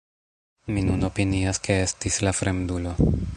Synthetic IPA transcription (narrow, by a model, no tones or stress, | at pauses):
minuno̞piniaskee̞stislafɾe̞mdulo̞